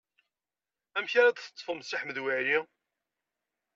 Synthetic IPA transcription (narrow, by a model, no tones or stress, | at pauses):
æmçaɾad̪θə̥t̪ˤːfəmsiħməðwæɾi